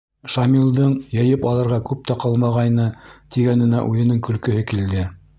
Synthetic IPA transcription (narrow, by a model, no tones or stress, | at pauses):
ʃɑmʲilˠd̪ɤɴjɤ̆jɘpɑlˠɤ̆ɾʁɑkʉp̚t̪æqɑlˠmɑʁɑjnɤt̪iɡænɘ̆næ̰ʔʉðɘ̆nɘŋkɵ̆lkɵ̆ɦɘkild̪ɘ